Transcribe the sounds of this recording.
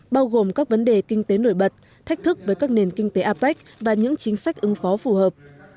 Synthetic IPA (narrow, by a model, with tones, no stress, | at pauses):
ɓaː˧wɣo˨˩mkaː˦˥k̚və˨˦nɗe˨˩kï˧ŋ̟t̪e˨˦no̰˧˩jɓə˨˩t̚ | t̪ʰa˦˥k̟̚t̪ʰɨ˦˥k̚vəː˨˦jkaː˦˥k̚ne˨˩nkï˧ŋ̟t̪e˨˦ʔaː˧pa˦˥jk̚vaː˨˩ɲɨ̰˧˥ŋt͡ɕï˨˦ŋ̟sa˦˥jk̟̚ʔɨ˨˦ŋfɔ˨˦fu˧˩həː˨˩p̚